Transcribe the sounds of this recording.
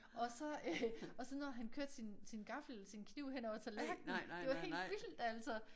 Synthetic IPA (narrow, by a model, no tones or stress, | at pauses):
ɒ̽sɒ̽øɒ̽sɒnɒɦænkʰøɐd̥sinsinɡ̥ɑ̈fl̩sinkʰniʊ̰ɦen̰ɒʊ̰ɐt͡sʰelæɐɡ̥̚d̥nn̩d̥e̝ʋɑhe̝ːd̥ʋild̥æl̰sɒ